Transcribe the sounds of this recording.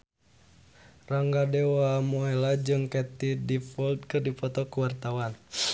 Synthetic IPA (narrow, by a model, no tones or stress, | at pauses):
raŋɡadɛwamɔɛlad͡ʒɨŋkɛt̪idifɔld̪̚kɨrdipɔt̪ɔkuwart̪awan